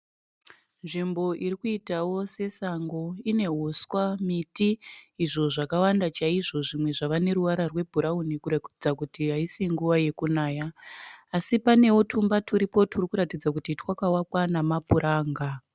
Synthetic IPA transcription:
nʐimbo̞ʔiɾikuitawo̞se̞saŋɡo̞ine̞ɦoswamitiːʐo̞ʐakawandat͡ʃaiʐo̞ʐimwe̞ʐaʋane̞ɾuʋaɾarwe̞bʱuɾaunikuraid͡zakutiaisiŋɡuʋaje̞kunaːjaː | sipane̞wotʰumbatʰuɾipo̞turikuɾatid͡zak̬utitwakawakwanamapuɾʔaːŋɡa

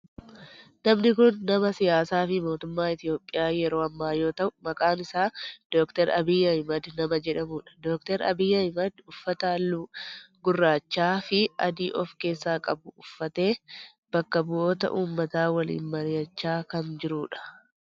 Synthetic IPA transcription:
nɐmnɪkʊnːɐmɐsɪjaːsaːfɪmo̞ːt̪ʊmːaːɪt̪ɪjo̞ːpʼːɪjaːjɛɾo̞ːɐmːaːjo̞ːt̪ɐʔʊmɐkʼaːnɪsaːd̪̥oːkt̪ɛɾɐ̰bɪjːɐhɪmɐd̪nɐmɐd͡ʒɛᶑɐmuːᶑɐ̥d̪oːk̚t̪ɛɾɐ̰bɪjːɐhɪmɐd̪ʊfːɐt̪ɐlːuːɡʊrːaːt͡ʃːaːfɪɐ̰d̪iːʔɔfke̞ːsːaːkʼɐbʊʊfːɐt̪e̞ː | b̥ɐkːɐbʊʔo̞ːt̪ɐ̰ʔuːmːɐt̪aːwɐlḭːnmɐɾɪjɐt͡ʃːaːkɐnd͡ʒɪɾuːᶑɐ̥

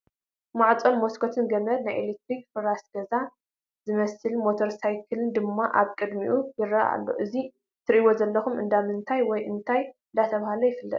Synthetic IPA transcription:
maʕt͡sʼonmoskʰot̪ʰɨnɡɐmɐd̪najʔelet̪ɾikfɨɾasɡ̥ɐza | zɨmɐsɨlmot̪ʰoɾsajkʰɨlɨnd̪ɨmːaʔa̰βkʼɨd̪miʔujɪrɐa̰lːo̰ʔɨzi | t̪ʰɨɾʔiwo̞zɐlːɐxumɨ̰nd̪amɨnt̪ʰajwɔjʔɨnt̪ʰajɨnd̪at̪ʰɐβhalojɪfɨlːɐ̰t̪ʼ

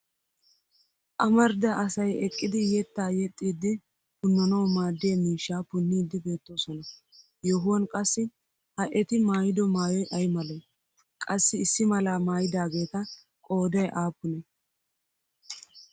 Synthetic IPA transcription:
ʔɐmɐɾd̪ɐʔɐsɐjɛkʼːɪd̪ɪjɛt̪ːaːjɛt̪ʼːiːd̪ːɪ | pʊnːɐnɐwmaːd̪ːɪjɐmiːʃːaːpʊnːiːd̪ːɪbe̞ːt̪ːo̞ːsɔnɐ | joɦʊwɐnkʼɐsːɪ | hɐʔɛt̪ɪmaːjɪd̪ɔmaːjɔjʔɐjmɐlɛ | kʼɐsːɪːsːɪmɐlaːmaːjɪd̪aːɡe̞ːt̪ɐ | kʼo̞ːd̪ɐjʔaːpːʊnɛ

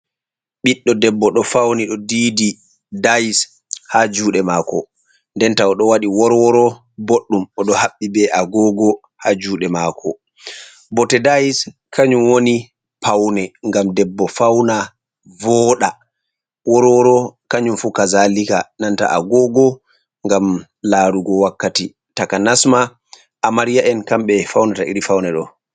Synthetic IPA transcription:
ɓiɗːɔdɛbːɔɗɔfawniɗɔdiːdi | dajis | had͡ʒuːɗɛmakɔ̰ | ndɛntaɔɗɔwaɗiwɔɾwɔɾɔ | boɗːumɔɗɔhaɓːibɛʔaɡɔɡɔ | had͡ʒuːɗɛmakʰɔ | bɔtɛdajis | kʰaɲumwoni | pʰawnɛŋɡamdɛbːɔfawna | vɔːɗa | wɔɾwɔɾɔkaɲumfukazalikananta̰ʔa̰ɡɔɡɔ | ŋɡam | laɾuɡɔwakːati | takanasma | ʔamaɾijaʔɛnkamɓɛfawnataʔḭɾifawnɛɗɔ̰

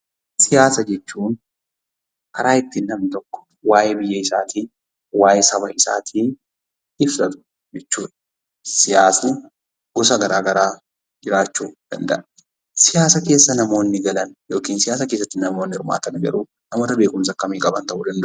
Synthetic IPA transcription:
sɪjaːsɐd͡ʒɛt͡ʃːuːn | hɐɾaːɪt̪ːiːnːɐmnɪt̪ɔkːɔ̥ | waːjɛbɪjːɐɪsaːt̪iːn | waːjɛsɐβɐʔɪsa̰ːt̪ʰiːn | ɪfsɐt̪ʊ̥ | d͡ʒɛt͡ʃːuːᶑ̪ɐ | sɪjaːsɐn | ɡ̥ɔsɐɡɐɾaːɡɐɾaː | d͡ʒɪɾaːt͡ʃːuːd̪̥ɐnd̪ɐ̰ʔɐ | sɪjaːsɐke̞ːsːɐnɐmo̞ːnːɪɡɐlɐnjo̞ːkiːnsɪjaːsɐke̞ːsːɐt̪ːɪnnɐmoːnːɪɪɾma̰ːt̪ɐnɡɐɾuː | nɐmoːt̪ɐbe̞ːkʊmsɐkːɐmiːkʼɐbɐnt̪ɐʔuːd̪ɐnd̪ʔ

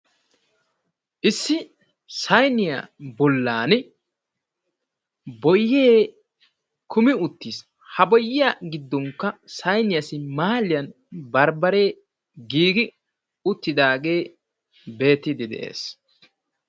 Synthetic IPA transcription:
ʔɪsːɪ | sɐjnɪja̰bɔlːaːnɪ | bɔjːeː | kʰʊmɪʊt̪ːiːs | hɐbɔjːɪjaɡɪd̪ːɔŋkːɐsɐjnɪjɐsɪmaːlɪjɐn | bɐɾbɐɾe̞ː | ɡiːɡɪ | ʊt̪ːɪd̪aːɡe̞ː | be̞ːt̪ːɪd̪ɪd̪ɛ̰ʔḛːs

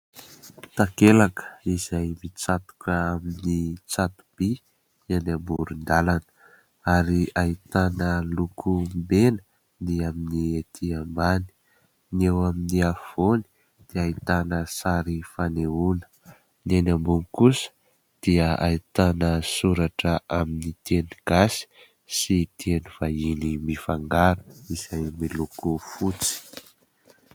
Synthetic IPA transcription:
t̪akelakə̥izajmit͡sat̪u̥kəaminit͡sat̪u̥b̥i | anambuɾund̪alanə̥ | aɾiait̪anəlukʰumbenə̥ | niaminiet̪ʰiambani̥ | newaminiav̥oni̥ | d̪̥iait̪anəsaɾifaneunə̥ | nenambunikusə̥ | d̪̥iəa̰it̪anəsuɾaʈ͡ʂəʔaminit̪eniɡ̥asi̥ | sit̪ieniv̥ainimifaŋɡaɾu̥iz̥ajmilukufut͡si̥

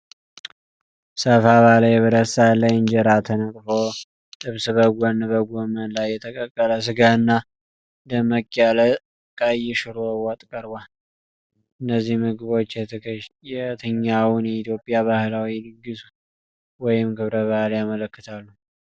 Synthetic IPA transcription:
səfaβaləjɛβəɾəsaləjɪnd͡ʒəɾat̪ʰənəkʼfo̞ | tɨβsɨβəɡʷɔnbəɡʷomənlajːɛt̪ʰəkʼəkʼːələs̬ɨɡaɨnːa | d̪əməkʼːjalə | kʼajɪʃɨɾowɔt̪ʼkʼəɾbʷal | ʔɨnːəzːihmɨɡɨβo̞t͡ʃːjɛt̪ʰəɲːawunjɛit̪ʰjo̞pʼjaβahlawilɨɡːɨsu | wɔjɪmɡɨβɾəβahljamələkːɨt̪ʰalːu

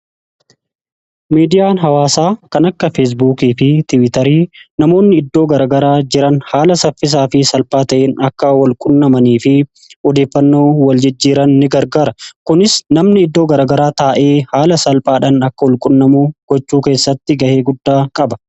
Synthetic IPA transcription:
miːd̪ɪjaːnɦɐwaːsaːkɐnɐkːɐfeːs̬buːkiːfɪt̪ɪwɪt̪ɐɾiːnɐmo̞ːnːɪɪd̪ːo̞ːɡɐɾɐɡɐɾaːd͡ʒɪɾɐnhaːlɐsɐfɪs̬aːfɪsɐlpʼaːt̪ɐʔeːnɐkːɐwɐlkʼʊnːɐmɐniːfɪ | ɔd̪eːfːɐnːo̞ːwɐld͡ʒɪd͡ʒːiːɾɐnːɪɡɐɾɡaːɾɐkʊnɪsnɐmnɪɪd̪ːo̞ːɡɐɾɐːɡɐɾaːt̪aːʔe̞ːhaːlɐsɐlpʼaːᶑɐnɐkːɐwɔlkʼʊnːɐmuːɡ̥ɔt͡ʃːuːke̞ːsːɐt̪ːɪɡɐʔe̞ːɡʊd̪ːaːkʼɐbɐ̥

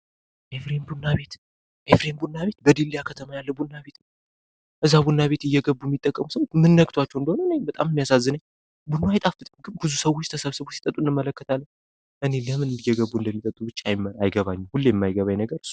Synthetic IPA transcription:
ʔefɾembunːaβe̞t̪ | ʔefɾembunːaβe̞t̪̚bəd̪ilːijakʰət̪ʰəmajalːəwbunːaβe̞t̪nə | ʔɨzːabunːaβe̞t̪ɨjːɛɡəbːujɛmːit̪ʼːəkʼːəmusəwot͡ʃmɨnːəɡ̚t̪ʰwat͡ʃːɛwɨnd̪əhonəɨnebət̪ʼa̰mɨmːijasazːɨnəɲ | bunːoajt̪ʼafbɨt̪ʼɡɨnbɨzusəwot͡ʃːt̪ʰəsəβsɨβosi̥t̪ʼət̪ʼuɨnɨmːələkːət̪ʰalːəɲ | ʔɨne̞ləmɨnɨɨjːɛɡəbuɨnd̪əmːit̪ʼət̪ʼːubɨt͡ʃːajajɡəβaɲːɛhulːjɛmːajɡəβajnəɡəɾɨs

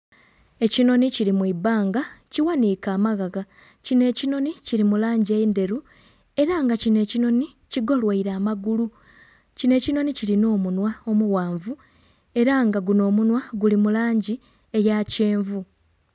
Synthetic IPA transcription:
e̞cino̞niciɾimwibaːŋɡaciwanikaːmaɣaɣa | cine̞ːcino̞niciɾimulaːɲɟiende̞ɾu | e̞ɾaːŋɡacine̞ːcino̞ni | ciɡo̞lwaiɾaːmaɡulu | cine̞ːcino̞niciɾino̞ːmunwao̞muwaːɱvu | e̞ɾaŋɡaɡuno̞ːmunwaɡulimulaːɲɟi | ejace̞ːɱvu

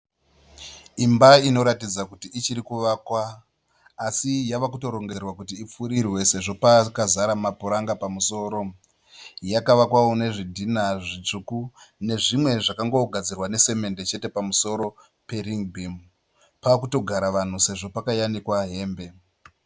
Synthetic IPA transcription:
imbaino̞ɾatid͡zakutiit͡ʃiɾikuʋakwaː | sijaʋakuto̞ɾo̞ŋɡerwakutiːp͡fuɾirwe̞se̞ʐo̞pakazaɾamapuɾaŋɡapamuso̞ːɾo̞ | jakaʋakwaone̞ʐidʱinaʐit͡ʂukune̞ʐimwe̞ʐakaŋɡo̞ɡʱad͡zirwane̞se̞me̞nde̞t͡ʃe̞te̞pamuso̞ɾo̞ | pe̞ɾiŋbʱim | pakuto̞ɡʱaɾaʋan̤use̞ʐo̞pakajanikwaɦe̞ːmbe̞

